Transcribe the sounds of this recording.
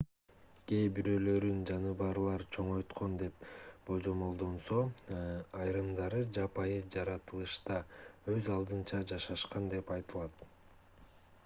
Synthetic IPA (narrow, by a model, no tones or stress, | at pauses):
ɡ̥e̞jbiɾø̞ːlø̞ɾynd͡ʒɑnɯbɑɾlˠɑɾt͡ʃʰo̞ɴo̞jt̪qo̞nd̪e̞pb̥o̞d͡ʒo̞mo̞lˠd̪o̞nso̞ | ɑjɾɯmd̪ɑɾɯd͡ʒɑpɑjɯd͡ʒɑɾɑt̪ɯlˠɯʃt̪ɑø̞zɑlˠd̪ɯnt͡ʃɑd͡ʒɑʃɑʃqɑnd̪e̞pɑjt̪ɯlˠɑt̪